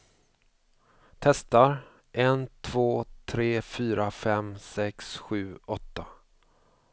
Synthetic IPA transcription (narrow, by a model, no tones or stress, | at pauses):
t̪ʰɛst̪aɾ | ʔɛnt̪ʰv̥oːt̪ʰɾeːfyːɾafɛmsɛksɧʉ̟ːɔt̪ːa